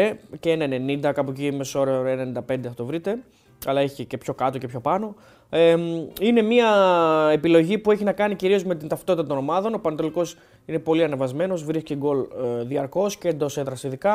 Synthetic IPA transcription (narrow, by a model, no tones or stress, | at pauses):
eceenɐenenind̪ɐkɐpocimeso̞ɾeenenind̪ɐpe̞nd̪eθɐt̪o̞vɾit̪e̞ | ɐlɐeçi̥cece̞pço̞kɐt̪oce̞pço̞pɐno̞ | eine̞miɐepilo̞ʝipue̞çinɐkɐniciɾio̞zme̞t̪̬int̪ɐft̪ot̪it̪ɐt̪ono̞mɐðo̞no̞pɐnɐt̪o̞liko̞s | ine̞po̞liɐnevɐzme̞no̞zvɾisceɡo̞lðiɐɾko̞scend̪o̞seðɾɐst̪iðikɐ